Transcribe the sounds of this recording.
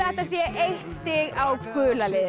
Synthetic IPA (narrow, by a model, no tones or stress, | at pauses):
ɛht̪as̬jɛʔejht̪st̪ɪːɣawkʏːlalɪð